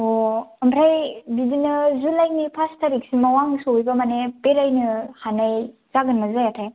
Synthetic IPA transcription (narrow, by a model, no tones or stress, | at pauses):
oambɾajbidinɯzulajnipʰastʰaɾik̚simawaŋsojbamanepeɾajnɯhanajz̥aɡɯnmazajatʰaj